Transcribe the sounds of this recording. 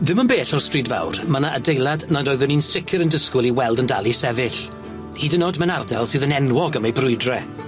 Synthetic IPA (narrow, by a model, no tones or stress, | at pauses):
ðɪmənbeːɬɔrstriːdva̰wrmanaʔədejlˠadnadoɨðʊninsɪkʰɨɾəndəskʊlˠiwɛlˠdənda̰lˠisɛvɪɬ | hiːdənodmanardalˠsɨːðənɛnwɔɡəmejbrʊɨdrɛ